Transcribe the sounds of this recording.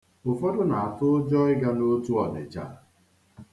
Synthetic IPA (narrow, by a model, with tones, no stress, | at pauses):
ʊ˨fɔ˦dʊ˦na˨a˨tʊ˦ʊ˦d͡ʒɔ˦ɪ˦ɡa˦no˦tu˦ɔ˨dɪ̰˨d͡ʒa̰˦˨